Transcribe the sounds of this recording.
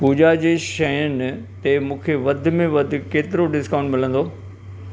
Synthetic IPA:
puːd͡ʑad͡ʑeːʃɐjənɪ̆t̪emũːkʰeʋɐd̪ʱʊ̆mẽʋɐd̪ʱʊ̆keːt̪ɪɾoɖɪskãːʊ̃ɳɖmɪl̤ə̃nd̪oː

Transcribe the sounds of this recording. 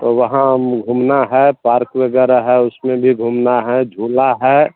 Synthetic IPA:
t̪oʋəɦãmɡʱumnaɦɛpaːɾkwəɡɛːɾaɦɛʊsmẽbʱiɡʱumnaɦɛd͡ʒʱuːlaɦɛ

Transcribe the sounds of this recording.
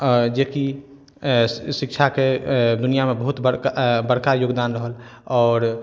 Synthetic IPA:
ɔd͡ʒeki | sikt͡ʃʰaked̪unijamebəɦut̪bəɽkbəɽkajoɡd̪anɾəɦəlɔːɾ

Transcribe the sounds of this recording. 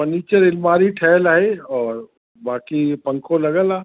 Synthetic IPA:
əniːt͡ʃəɾɪlmaːɾiʈʰɛːlaɦeɔːɾ | baːkipə̃ŋkʰolɐɡəlaː

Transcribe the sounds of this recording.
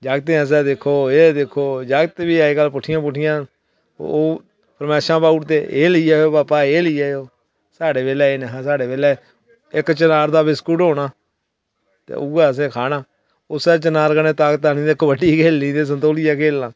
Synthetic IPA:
d͡ʒaːɡt̪eːəs̬ɛːd̪ɪkʰːoːeːd̪ekʰːoːd͡ʒaːɡt̪ebiːaːeːɡəlːpʊʈʰɪjãːp̬ʊʈʰːɪjãː | oː | pəɾmɛːʃɾãːbaːʊʈt̪eːʔḛːləiːaːoːbaːpaːeːlɪiːaːoː | saːɖeːʋeːlɛːeːneɦːsaːɖeːʋeːlɛː | ɪkt͡ʃənaːɾd̪aːbɪskuːɖɦoːɽaː | t̪ḛːuɡaːəs̬ẽːkʰaːnãː | ʊsɛːt͡ʃənaːɾkənẽːt̪aːkt̪aːnĩːd̪ekʰːobəɖiːkʰeːlĩːd̪eːs̬ənt̪oːlijaːkeːlãː

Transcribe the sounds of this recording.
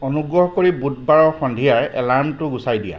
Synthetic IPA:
onuɡɹɔɦɔkoɹibut̚baɹɔxɔndʱijaɹɛ̰laɹmtʊɡusajdija̰

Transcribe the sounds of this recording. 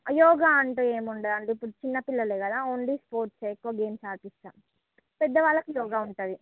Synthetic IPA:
ɐjɔːɡaːɐɳʈuːeːmuɳɖɐd̪ɐɳɖipːuɽut͡ʃinːɐpilːɐleːkɐd̪aːoːɳliːspoːɾʈseːjkːuʋaɡe̞ːmsaːɾpist̪a̰ː | pɛd̪ːɐʋaːɭːɐkujɔːɡaːuɳʈɐːd̪i

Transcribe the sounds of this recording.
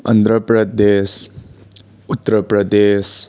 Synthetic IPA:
ə̰nd̪ʱɾəpɾəd̪eːs | ut̪ːɾəpɾəd̪eːs

